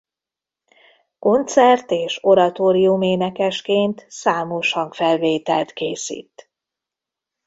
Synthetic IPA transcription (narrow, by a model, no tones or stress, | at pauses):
ko̞nt̪sɛrt̪eːʃo̞ɾɒt̪oːɾijumeːnɛkɛʃkeːnt̪saːmoʃhɒŋkfɛlveːt̪ɛlt̪keːsḭːt̪